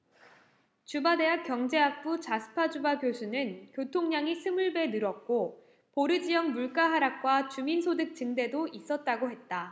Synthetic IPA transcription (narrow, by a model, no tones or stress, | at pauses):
t͡ɕubade̞ɦak͈jʌŋd͡ʑe̞ak̚p͈ut͡ɕasʰɯ̥pʰad͡ʑubapjosʰunɯnkjotʰoŋɲaŋisʰɯmuɭbe̞nɯɾʌt̚k͈o | poɾɯd͡ʑijʌŋmuɭk͈aɦaɾak̚k͈wat͡ɕuminsʰodɯk̚t͡ɕɯŋde̞dois͈ʌt̚t͈aɡoɦe̞t̚t͈a